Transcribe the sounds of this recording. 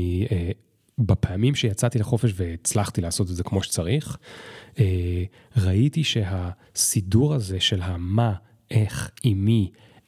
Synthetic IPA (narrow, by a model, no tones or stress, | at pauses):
e | bapʰeamimʃejat͡sat̪ileχo̞feʃveit͡slaχt̪ilaːso̞t̪̬edzekmo̞ʃe̥t͡saʁiχ | e | ʁaitiʃe̞ɦa | siduʁaze̞ʃe̞lɦama | e̞χimi